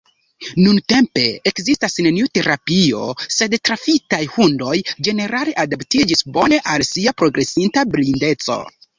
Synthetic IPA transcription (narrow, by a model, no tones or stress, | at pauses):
nunte̞mpe̞ekzistasne̞niute̞ɾapio̞̰se̞dtɾafitajhundo̞jd͡ʒe̞ne̞ɾale̞ʔadaptid͡ʒisbo̞ne̞ʔalsiapɾo̞ɡɾe̞sintablinde̞t͡so̞̰